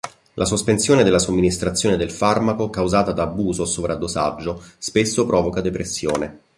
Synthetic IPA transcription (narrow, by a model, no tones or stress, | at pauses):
lʔasospensjoːned̪elːasomːinist̪ɾat̪sjoːned̪elfarmakokawzaːt̪ad̪aːbuːzosovɾʔad̪osa̰d͡ʒːospesːopɾʔɔːvokad̪epɾesːjoːne